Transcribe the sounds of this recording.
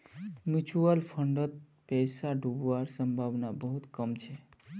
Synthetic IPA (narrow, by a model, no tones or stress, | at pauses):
mjut͡ʃuəlpʰəɳɖət̪̚ | pɛsaɖʱubʋaɾsəmbʱabnabəɦut̪kəmt͡ʃʰe